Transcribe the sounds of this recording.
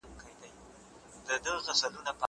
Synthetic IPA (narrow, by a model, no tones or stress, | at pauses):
nkajd̪aj | d̪̥əd̪əɣasalunapa